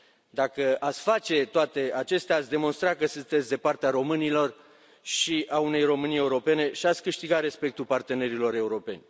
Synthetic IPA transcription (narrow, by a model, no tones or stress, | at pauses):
d̪akəat̪sʲfat͡ʃe̞t̪oat̪e̞at͡ʃe̞st̪eat̪sʲd̪e̞mo̞nst̪ɾakəsɨnt̪et̪sʲd̪e̞part̪eaɾo̞mɨnilo̞r | ʃiaune̞jro̞mɨnie̞uɾo̞pe̞ne̞ʃiat̪sʲkɨʃt̪iɡat̪ɾe̞spe̞k̚t̪ulpart̪e̞ne̞ɾilo̞ɾe̞uɾo̞pe̞̰nʲ